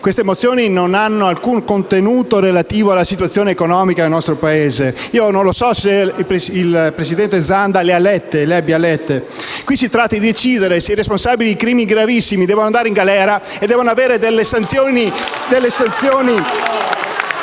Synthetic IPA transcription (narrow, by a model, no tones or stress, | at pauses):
kwest̪emot̪sːjoːninonanːoalkuŋkont̪enuːt̪oɾelat̪iːvoalːasit̪wat̪sːjoːneːkonɔːmikad̪elnɔst̪ɾopaeːzeiːonõnlosɔseipeilpɾesid̪ɛnt̪ed̪zand̪alealɛt̪ːeleabjalɛt̪ːekwisit̪ɾat̪ːad̪id̪et͡ʃiːd̪eɾeseiɾesponsaːbilid̪ikɾiːmiɡɾavisːimid̪ɛːvonoand̪aːɾeiŋɡalɛːɾa | ed̪ɛːvonoaveːɾed̪elːesant̪sjoːni | d̪elːesant̪sjoːni